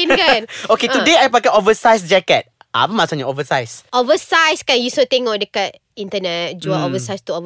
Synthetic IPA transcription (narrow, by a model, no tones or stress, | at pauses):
inkanoket̪udeajpakaovəsajsd͡ʒɛkɛt̪̚ | a̰pəmasuɲaovəsajsʔovəsajskanjusot̪eŋɔʔdəkat̪̚ | int̪ənɛt̚d͡ʒuaovəsajst̪uov